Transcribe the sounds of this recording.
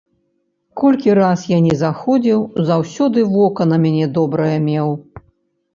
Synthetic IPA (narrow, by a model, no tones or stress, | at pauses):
kɔlʲkʲiɾasjanʲɛzaxɔd͡zʲiwzawsʲɔd̪ɨvɔkɐnɐmʲanʲɛd̪ɔbɾɐjɐmʲɛw